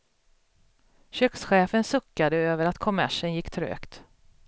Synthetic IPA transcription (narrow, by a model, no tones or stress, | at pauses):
ɕøːksɧeːfənsɵkːad̪əøːvəɾat̪kʰɔmæʂənjɪkːt̪ʰɾø̰ːkt̪